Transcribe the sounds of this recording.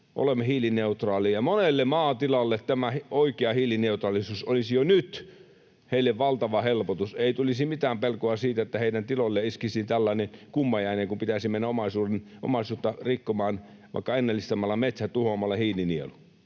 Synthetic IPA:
ʔo̰lemːehiːlineut̪rɑːlijɑmonelːemɑːt̪ilɑlːet̪t̪æmæhoikeɑhiːlineut̪rɑˑlisuːsolisijonyt̪ | heˑilːeʋʋɑlt̪ɑʋɑhelpot̪useit̪ulisimit̪æːmpelkoɑsiːt̪æet̪ːæheˑidænt̪ilolːeiskisint̪ælːæˑinekumːɑjæineŋkumpit̪æsimenːæomɑsuːreno̰mɑsuːt̪ːɑrikːomɑːn | ʋɑ̰ˑikːɑenːælːist̪ɑmːɑlːɑmet̪sæt̪uhomɑlːˑɑhiːliniḛlu

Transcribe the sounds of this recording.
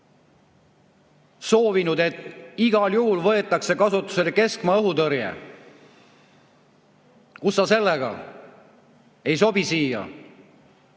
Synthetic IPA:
so̞ːvinud̪e̞t̪ːˑiɡ̥ɑljuɦulvɤ̞e̞t̪ːˑɑkse̞kɑsut̪ːˑu̥se̞leke̞skmɑɤɦut̪ɤɾjḛ | kusːɑse̞lːeɡ̥ɑ̰ | e̞jso̞bisiːjɑ̰

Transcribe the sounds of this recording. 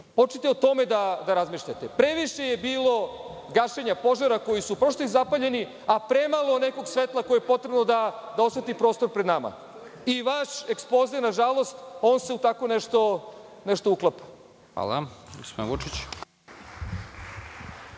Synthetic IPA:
po̞t͡ʃet̪eot̪o̞me̞d̪ad̪aɾazmiːʃʎat̪epɾe̞ʋiʃe̞jebiːlˠo̞ | ɡaʃeɲapo̞ʒaɾako̞jisupɾost̪oizapaʎe̞ni | apɾe̞malˠo̞ne̞ko̞ɡsʋet̪lˠako̞jejepo̞t̪ɾe̞bno̞d̪ad̪ao̞sʋet̪ipɾo̞ːst̪oɾpɾed̪nama̰ | iʋaʃe̞kspozinaʒalˠo̞st̪o̞ːnseut̪akoneʃt̪o̞neʃt̪o̞uklˠapḁ | xa̰lˠa̰ɡospod̪inʋut͡ʂit͡ɕ

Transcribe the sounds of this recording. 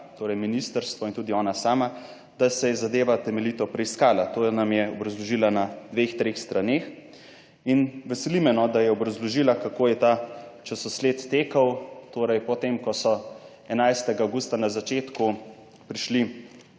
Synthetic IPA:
t̪oːɾɛjminist̪əɾst̪ʋɔint̪uːd̪iɔːnasaːma | d̪̥asɛzad̪eːʋat̪ɛmɛlit̪ɔpɾɛiskaːlat̪onamjɛɔbɾɐzlɔʒilanad̪̥ʋeːxt̪ɾeːxst̪ɾaneːx | inʋɛsɛlimɛnɔd̪ajɛɔbɾazlɔʒilakakoːjɛt̪at͡ʃɛsɔsleːt̪ːeːkawt̪oːɾɛjpɔt̪emkɔsɔ | ɛnajst̪ɛɡaawɡuːst̪anazat͡ʃeːt̪ku | pɾiʃli

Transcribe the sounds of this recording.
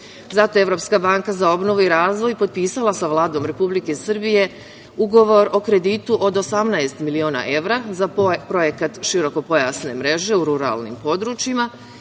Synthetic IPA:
zat̪o̞e̞ʋɾo̞pskabaŋkazao̞bno̞ʋuiɾaːzʋo̞jpo̞d̪̚piːsalˠasaʋlˠaːd̪o̞ːmɾe̞publike̞sr̩bije̞ | uɡo̞ʋo̞ɾo̞kɾe̞d̪it̪uʔo̞d̪o̞samnaest̪milioːna̰ʔe̞ʋɾazapɾo̞je̞kat̪ʃiɾo̞ko̞po̞jasne̞mɾe̞ʒe̞uɾuɾa̰lˠnḭmpo̞d̪ɾuːt͡ʃima

